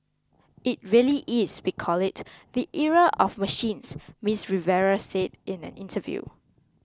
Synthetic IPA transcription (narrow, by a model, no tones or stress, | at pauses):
ɪt̚ɹiəliʔɪswikʰɔlɪtðiʔiɹəʔɔfməʃĩnsmisɹivɛɹəsedɪ̃næ̰̃nɪ̃ntʰəvjṵ